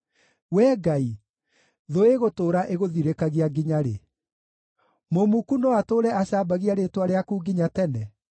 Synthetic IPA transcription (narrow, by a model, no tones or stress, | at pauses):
wɛːɡai | ðoeɣotoːɾaʔeɣoðiɾekaɣiaɡiɲaɾḛ | momukunɔatoːɾɛaɕaːbaɣiaɾetwaɾeakuːɡiɲatɛnɛ